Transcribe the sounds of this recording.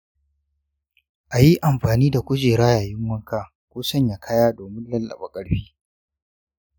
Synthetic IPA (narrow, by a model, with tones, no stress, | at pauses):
ʔa˨ji˦ʔa˨mɸaː˨niː˦da˨kʷʊ˦d͡ʒeː˨ɽaː˦jaː˨jɪ˦ŋwɐ˦ŋkaː˦ | kʷoː˦sɐ˦˨ɲja˨kʰa˦jaː˦doː˨mɪ˦nlɐ˦lːɐ̰˨ba˨kʼɐ˦ɽɸiː˦